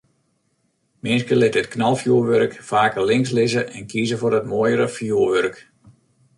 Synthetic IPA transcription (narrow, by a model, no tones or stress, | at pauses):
mɪnskəlɪtətknalˠfjuəʋørkfaːkərlɪŋs̬lɪzəʔɛnkʰiːzəforətmoəjəɾəfjuəʋørk